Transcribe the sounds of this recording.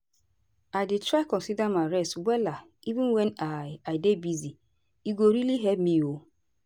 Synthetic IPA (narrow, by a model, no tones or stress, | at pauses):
aɪdɪtʰɾaɪkɔ̃nsidamaɪɾɛstwɛlaivɪ̃nwɛnaɪaɪdebizi | iɡoɾiliɦɛpmio